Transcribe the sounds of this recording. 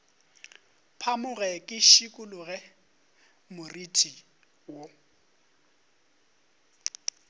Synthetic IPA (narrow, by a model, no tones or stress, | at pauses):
pʰamʊɣɛkʼɪʃikʼʊlʊɣɛ | mʊritʼi | wo